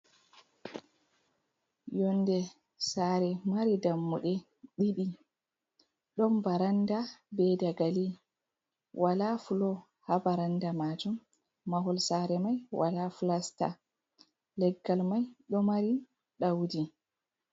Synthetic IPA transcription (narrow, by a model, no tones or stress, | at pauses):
jɔndɛ | saːɾɛmaɾidamːuɗɛ | ɗiɗi | ɗɔmbaɾandabɛdaɡali | wʔalafulɔ | habaɾandamad͡ʒumː | aɦɔlsaɾɛmajwa̰lafulasta̰ | lɛɡːalmajɗɔmaɾi | ɗawdi